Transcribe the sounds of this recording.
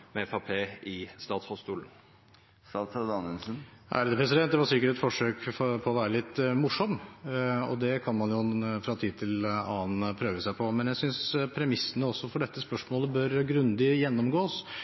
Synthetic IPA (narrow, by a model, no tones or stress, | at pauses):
mɛfɑpʰeːɪst̪ɑːt̪shɔst̪uːlən̩ | sɑsɑd̪ɑnənsənʔæ̰ɾd̪ɛpʰɾɛsɪd̪ɛnt̪̚d̪ɛʋɑɾsɪkːəɾɛt̪fɔʂøːkpʰɔɔʋæːɾəlɪt̪ːmʊʂɔm | ɔ̰d̪ɛkʰɑnmɑnjʊfɾɑːt̪ʰiːd̪̚t̪ʰɪlɑːnpʰɾøːʋəsæɪpʰɔmɛnjæsʏnspʰɾɛmɪsːənəɔsːɔfɔɖɛt̪ːəspœʂmoːləbœɾɡɾʉnd̪ɪjɛnːɔmɡoːs